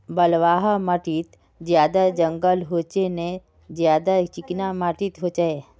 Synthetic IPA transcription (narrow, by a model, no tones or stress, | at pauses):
bəlʋaːɦaməʈit̪ | d͡ʒjaːd̪ad͡ʒə̃ŋɡəlɦoːt͡ʃenẽ | zjaːd̪at͡ʃɪknamaʈit̪ɦot͡ʃae